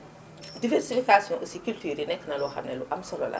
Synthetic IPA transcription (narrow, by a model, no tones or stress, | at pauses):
divɛɾsifikasjɔ̃ʔəsikyltyːɾinɛkːnɐlɔxɐ̰mnɛluʔɐmsɔlɔlʔɐ̰